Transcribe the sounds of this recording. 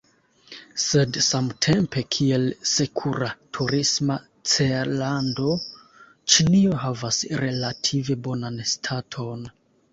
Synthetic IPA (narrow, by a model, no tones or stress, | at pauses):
se̞dsamtʰe̞mpe̞kʰie̞lse̞kʰuɾatʰuɾisma | t͡seɾlando̞ | t͡ʃinio̞ɦavasɾe̞latʰive̞bo̞nanstʰatʰo̞n